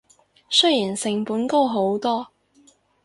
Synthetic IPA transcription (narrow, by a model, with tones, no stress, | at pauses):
sɵ˥jiː˨˩nsɪ˨ŋpuː˨˥nko˥wɦo˨˥wt̪ɔː˥